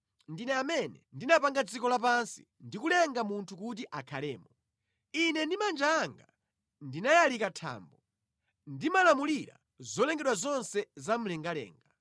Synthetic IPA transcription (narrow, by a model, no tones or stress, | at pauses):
ndinɛamɛnɛndinapaŋɡad͡zikɔlapansi̥̰ | ndikulɛŋɡamuntʰukut̬iʔakʰalɛ̰ːmɔ | inɛndimand͡ʒaːŋɡa | ndinajalikatʰa̰ːmbɔ | ndimalamuliɾa̰ | zɔlɛŋɡɛɗwazɔnsɛzam̩lɛŋɡalɛ̰ːŋɡa